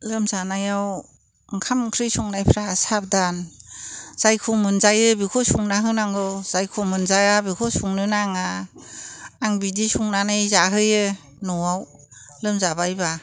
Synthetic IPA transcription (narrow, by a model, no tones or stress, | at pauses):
lɯmzanajaw | ŋkʰamkʰɾɯjsuŋnajpʰɾasap̚dan | z̥ajkʰumɯnzajɯbikʰɔsuŋnaɦɯnaŋɡɔz̥ajkʰomɯnzajabikʰɔsuŋnɯnaŋa | ŋbidisuŋnanɯjzaɦɯjɯ | nɔwaw | lɯmzabajba